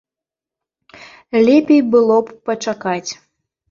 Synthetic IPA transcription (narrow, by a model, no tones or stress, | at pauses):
lʲepʲejbɨlˠopːət͡ʃakɑtʲ